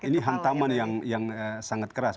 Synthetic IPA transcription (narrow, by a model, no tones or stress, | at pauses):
iniɦant̪amanjaŋjaŋəsaŋat̪̚kəɾas